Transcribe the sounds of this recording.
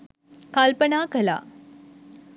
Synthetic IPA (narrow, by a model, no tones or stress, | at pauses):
kalpənakəla̰